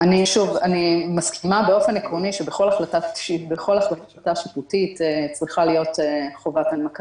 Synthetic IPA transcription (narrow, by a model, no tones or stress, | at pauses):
aniʃuvanimaskʰimabe̞o̞fe̞nekʁo̞niʃebeχo̞laχlataʃibeχolaχla | taʃitutitet͡sʁiχalijo̞teχo̞vatanmaka